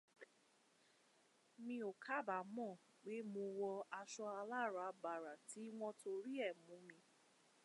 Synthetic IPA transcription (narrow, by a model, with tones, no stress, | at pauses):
mĩ˧o˨kʰa˦˨ba˨˦mɔ̃˦˨ | k͡pe˨˦mõ˧wɔ˧a˧ʃɔ˧a˧la˦˨ɾa˨˦ba˨ɾa˨ti˨˦w̃ɔ̃˦tʰo˧ɾi˦ɛ˦˨mũ˨˦mĩ˧